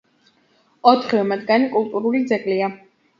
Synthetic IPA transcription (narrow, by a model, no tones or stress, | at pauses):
ɔt̪ʰχiɛmad̪ɡanikʼulˠt̪ʼuɾulid̪zɛkʼlia